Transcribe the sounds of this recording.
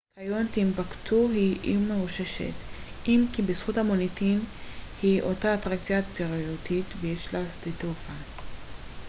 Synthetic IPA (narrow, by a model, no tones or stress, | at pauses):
kajont̪imbaktʰuɦiʔimeʁuʃeʃḛt | imkibesχuthamonitinhiʔotaːtʁakt͡sjat̪eʁoutitvejeʃlasdetofa